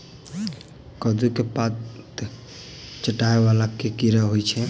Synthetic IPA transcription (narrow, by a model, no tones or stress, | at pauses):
kəd̪ukepat̪t̪ | t͡ʃəʈaeβalakekiɾəɦojt͡ʃʰɛ